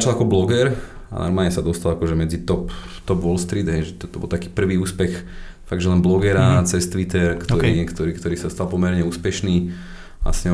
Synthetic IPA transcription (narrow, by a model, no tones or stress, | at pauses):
at͡ʃalˠakɔblɔɡɛɾ | a̰nɔ̰ɾmaːlɲɛsad̪ɔst̪alakɔʒɛmɛd͡zit̪ɔpt̪ɔpʋɔlst̪ɾiːd̪ɦɛjʒɛt̪ɔt̪ɔbɔ̰lˠt̪akiːpr̩ʋiːuːspɛx | faɡʒɛlɛnblɔɡɛɾat͡sɛst̪ʋit̪ɛɾkt̪ɔikt̪ɔɾiːkt̪ɔɾiːsast̪alˠpɔmɛɾɲɛuːspɛʃniː | a̰sɲɛ